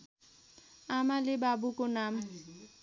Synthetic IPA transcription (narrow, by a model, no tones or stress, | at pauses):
amalebabukonam